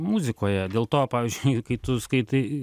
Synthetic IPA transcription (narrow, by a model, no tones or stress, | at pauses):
muzʲɪkoːjɛd̪ʲeːlˠt̪oːpɑːʋʲiːzʲd͡ʒʊʊɪʊkɐɪt̪ʊskɐɪt̪ɐɪ